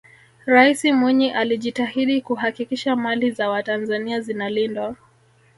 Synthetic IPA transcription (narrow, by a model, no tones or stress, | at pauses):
ɾaisimwiɲiʔaliʄitahiɗikuhakikiʃamalizawatanzaniazinalindwa